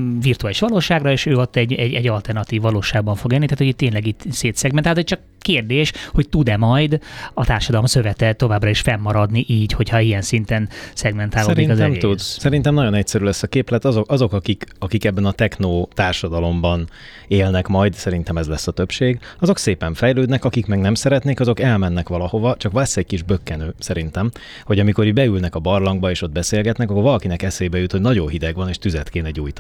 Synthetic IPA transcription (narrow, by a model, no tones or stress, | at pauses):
virt̪uaːliʃʋɒloːʃaːɡrɒeːʃøːot̪ːɛɟːɛɟɛɟːɒlt̪ɛrnɒt̪iːvːɒloːʃaːɡ̚bɒɱfo̞ɡeːlnit̪aːt̪hoiːt̪ːeːnlɛɡitseːt̪sɛɡmɛnalt̪ɛc̚t͡ʃɒk | keːrd̪eːʃho̞ct̪ud̪ɛmɒjd̪ɒt̪aːrʃɒd̪ɒlomsø̞vɛt̪ɛt̪ːo̞vaːbrɒiʃfɛmːɒɾɒd̪niʔiːɟho̞chɒijɛnsint̪ɛnsɛɡmɛnt̪aːlod̪ikɒzɛmɡeːud̪sɛɾint̪ɛmnɒɟo̞nɛcsɛɾylɛsːɒkeːplɛt̪ɒzokʔɒzo̞kɒkikɒkikɛbːɛnɒt̪ɛknoːt̪aːrʃɒd̪ɒlo̞mbɒn | eːlnɛkmɒjd̪sɛɾin̪t̪ɛmɛzlɛsːɒt̪ø̞pʃeːɡɒzo̞kseːpɛɱfɛjløːd̪nɛkɒkikmɛɡnɛmsɛɾɛt̪neːkɒzo̞kɛlmɛnːɛkʋɒlɒho̞vɒt͡ʃɒkʋɛsːɛɟ̚kiʒbøkːɛnøːsɛɾin̪t̪ɛm | ho̞ɟɒmiko̞ɾibɛylnɛkɒbɒrlɒŋɡbɒeːʃo̞d̪̚bɛseːlɡɛt̪nɛkɒkorvɒlɒkinɛkɛseːbɛjut̪ho̞ɟnɒɟoːɦid̪ɛɡʋɒneːʃt̪yzɛt̪keːnɛɟːuːjt̪